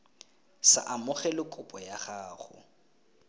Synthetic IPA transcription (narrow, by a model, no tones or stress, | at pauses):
sa̰ʔamʊχɛlɪkʼʊpʼɔjaχaːχʊ̰